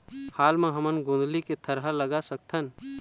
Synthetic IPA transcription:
haːlmãɦəmənɡõːnd̪liket̪ʰəɾɦələɡasək̚t̪ʰən

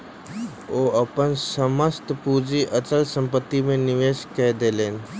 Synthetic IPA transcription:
oːʔɐpənsəməst̪puːd͡ʒiʔət͡ʃəlsə̃mpət̪ːimẽnɪʋeːʃked̪eːleːn

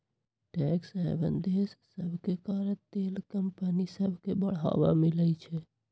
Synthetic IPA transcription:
ʈɛksẽbə̰nd̪ʱessəbʱkekaɾət̪elkəmpənisəbʱkebəɽ̤a̰ba̰milɛt͡ʃʰɛ

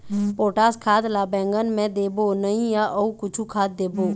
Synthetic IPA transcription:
poːʈaːskʰaːt̪laːbɛ̃ːŋɡənmẽd̪eːbonəɦĩjaʔəukʊt͡ʃʰukʰaːt̪̚d̪eːboː

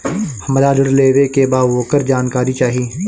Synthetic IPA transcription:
həmɾaːləɾleːʋekebaːʋoːkəɾd͡ʒaːnkaːɾit͡ʃaːɦiː

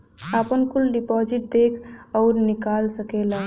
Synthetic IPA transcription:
apənkulɖipɔd͡ʒiʈ̚d̪ekʰɔʊɾnikalsəkela

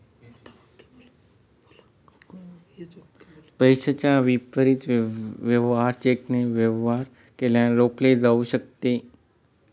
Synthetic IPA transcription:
pəjʃət͡ʃaʋipːəɾit̪ʋjəʋɦaɾt͡ʃekneʋjəʋaɾ | keljãlokled͡ʒaʋuʃək̚t̪e

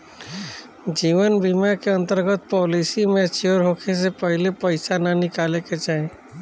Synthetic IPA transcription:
d͡ʒiʋənbimakeə̃nt̪əɾɡət̪̚pɔlisimet͡ʃioɾɦokʰesepəɦilepəɪsanənikaleket͡ʃaɦẽ

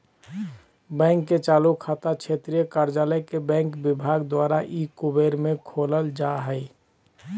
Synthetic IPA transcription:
bɛ̃ːŋkːet͡ʃaːlukʰat̪akt͡ʃʰet̪ɾijəkaɾd͡ʒaləkebɛ̃ŋkbɪbʱaɡd̪waɾaʔikubeɾmẽkʰoləld͡ʒaɦəɪ

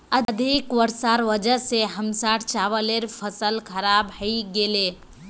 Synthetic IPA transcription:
əd̪ʱikʋəɾsaːɾʋəd͡ʒəseɦəmsaːʈt͡ʃaːʋəleɾpʰəsəlkʰəɾaːbhəiɡele

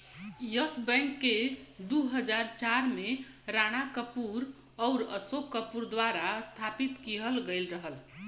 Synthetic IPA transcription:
jəsbəjŋkːed̪uɦəd͡ʒaɾt͡ʃaɾme | ɾanakəpuɾ | ɔʊɾə̰sokːəpuɾd̪waɾast̪ʰapit̪kiɦəlɡəjlɾəɦəl

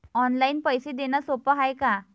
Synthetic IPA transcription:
ɔnlainpəjsed̪enasopəɦajka

